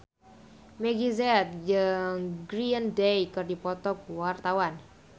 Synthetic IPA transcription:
meɡizɛt̪̚d͡ʒəŋɡɾiəndejkɨrdipɔt̪ɔkuwart̪awan

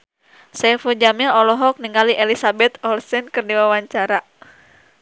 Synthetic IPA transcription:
sɛfud͡ʒamaɔlɔɦɔk̚niŋaliʔelisabɛt̪ɔlsɛnkɨrdiwawaɲt͡ʃaɾa

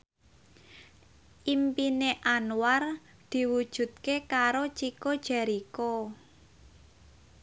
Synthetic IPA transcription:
ʔimpineʔanwar | d̪̥i̤wud̥ʒ̥ṳt̪̚kekaɾot͡ʃikod̥ʒ̥ɛ̤ɾiko

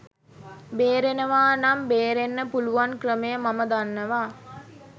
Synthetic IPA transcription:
beːɾenəʋaːnambeːɾenːəpuluʋaŋkrəməjəmaməd̪anːəʋaː

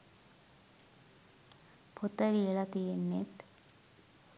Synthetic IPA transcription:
pʰot̪əɾieɭat̪ienːet̪

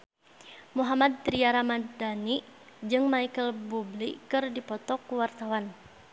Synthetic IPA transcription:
muɦamad̪̚ːɾiaɾamad̪dani | d͡ʒɨŋmaikəlbublikɨrdipɔt̪ɔkuwart̪awan

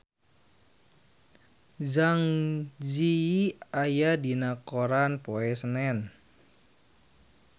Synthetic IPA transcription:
zaŋd͡ʒiajadinakoɾanpoɛsənɛn

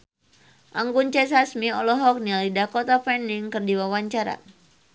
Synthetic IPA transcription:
ʔaŋɡunt͡ʃɛsasmiɔlɔɦɔk̚nialidakɔt̪apɛniŋkɨrdiwawaɲt͡ʃaɾa̰

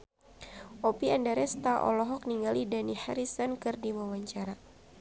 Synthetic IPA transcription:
ʔɔpiandaɾɛst̪aʔɔ̰lɔɦɔk̚niŋɡalidanihaɾisɔnkɨrdiwawaɲt͡ʃaɾa

